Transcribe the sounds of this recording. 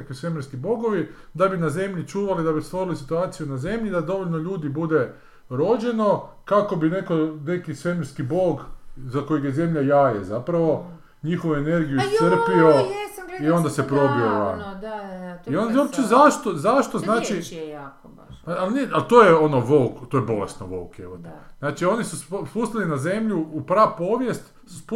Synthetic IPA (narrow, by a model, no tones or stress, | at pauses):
kisʋe̞mjeɾskibo̞ɡoʋi | d̪abinaze̞mʎit͡ʃuːʋalid̪abist̪ʋo̞ɾilisit̪uaːt̪sijunaze̞mʎid̪ad̪o̞ʋoʎʲnoʎuːd̪ibud̪e̞ | ɾo̞d͡ʒe̞no̞kako̞bine̞kone̞kisʋe̞meɾskiboːɡzako̞jeɡjeze̞mʎajajḛzapɾaʋo̞ | ɲixoʋuene̞ɾɡijusr̩pio̞io̞nd̪asepɾo̞bioʋa̰n | ionopt͡ʃezaʃt̪ozaʃt̪o̞znaːt͡ʃi | aalniat̪oːjeo̞noʋo̞wkt̪oːjebo̞lesnoʋo̰wkjeot̪znaːt͡ʃio̞nisusspust̪ilinaze̞mʎuːpɾapo̞ʋje̞st̪ | su̥sp